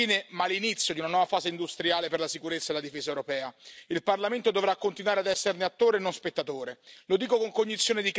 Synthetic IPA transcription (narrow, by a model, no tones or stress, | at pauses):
iːnemalːinit̪sːjod̪iunanwɔːvafaːzeind̪ust̪ɾjaːleperlasikuɾet̪sːaelad̪ifeːzaewɾopɛːailparlament̪od̪ovɾakːont̪inwaɾead̪ɛsːerneat̪ːoːɾenːonspet̪ːat̪oːɾelod̪iːkokoŋkoɲːit̪sːjoːned̪ik